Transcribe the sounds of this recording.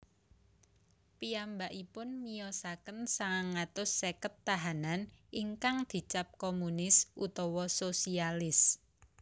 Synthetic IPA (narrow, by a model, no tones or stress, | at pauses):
piambaʔipʊnmijɔsakənsaŋaŋat̪ʊsːekət̪ːaɦananiŋkaŋd̪̥i̤t͡ʃap̚komunɪsʔut̪ɔwɔsosialɪs